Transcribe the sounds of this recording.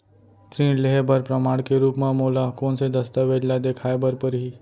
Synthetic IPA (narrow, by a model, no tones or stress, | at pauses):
t̪ɾĩːleɦebʱəɾpɾəmaɽkeɾuːpmãmolakoɳsed̪əst̪əʋedlad̪ekʰajbʱəɾpəɾɦi